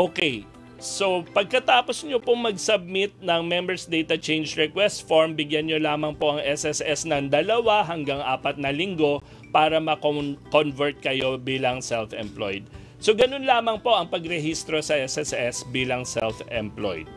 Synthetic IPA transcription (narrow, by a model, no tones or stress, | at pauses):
ʔoːkɛj | so̞pɐɡ̚kɐt̪aːposɲopoŋmɐɡsɐb̚mɪt̪̚nɐŋmɛmbɛɹsd̪ɛjt̪ɐt͡ʃɛjnd͡ʒɹɛkwɛst̪foɹmbɪɡjanɲolaːmɐŋpo̞ʔɐŋʔɛsɛsʔɛsnɐŋd̪ɐlɐwaɦɐŋɡaŋʔaːpɐt̪̚nɐlɪŋɡo̞ | paːɾɐmɐkkonvɛɹt̪̚kɐjo̞biːlɐŋsɛlfɛmplo̰jd̪̚ | so̞ɡɐno̞nlaːmɐŋpo̞ʔɐŋpɐɡɾɛhist̪ɾo̞sɐʔɛsɛsɛsbiːlɐŋsɛlfɛmplo̰jd̪̚